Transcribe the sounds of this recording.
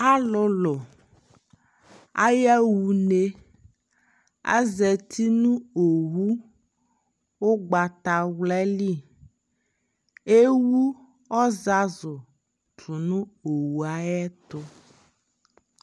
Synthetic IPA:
a˦lo˦lo˨ | a̰˦jɛ˦wu˨ne˦ | a̰˦zɛ˨t̪ʰi˦nũ˦o˨wu˦ | wo˦ɡ͡ba˨t̪a˨wlɛ˦li˦˨ | e˦wu˦ | ɔ˦za˦zo˨ | tu˨nũ˦o˨wu˨a˨ɛ˦t̪o˦

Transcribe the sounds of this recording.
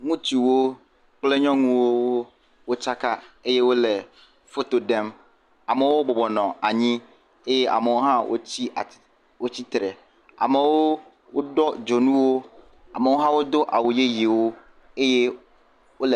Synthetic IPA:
ŋũ˦t͡ɕi˨wo˦ | k͡plɛ˦ɲɔ̃˦ŋũ˦wo˦wo˦ | wo˦t͡ʃa˦ka˦e˦jɛ˦wo˦lɛ˨ | fo˦t̪o˨dɛ˦m | a˨mɛ̃˨wo˦bɔ˨bɔ˨nɔ̃˨a˨ɲĩ˦ | e˦jɛ˦ʔa̰˨me˨wo˦ɦã˦wʔo̰˦t͡ɕʰi˦a˨ | wo˦t͡ɕi˦t̪ɾɛ˨ | a̰˨mɛ˨wo˦ | wo˦dɔ˦d͡ʒo˨nũ˦wo˦ | a˨mɛ˨wo˦ɦã˦wo˦d̪ʊ˦ʔa̰˨wu˨je˦ji˨e˨wo˦ | e˦jɛ˦ | wo˦lɛ˨

